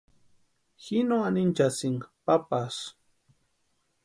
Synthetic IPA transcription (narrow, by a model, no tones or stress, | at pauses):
xinoanint͡ʃasɪŋpapas